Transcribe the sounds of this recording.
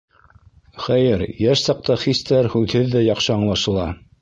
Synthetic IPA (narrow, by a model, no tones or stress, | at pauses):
χæjɘɾjæʃsɑq̚t̪ɑχist̪æɾhʉðhɘðːæjɑχʃɤɑɴlˠɑʃɤ̆lˠɑ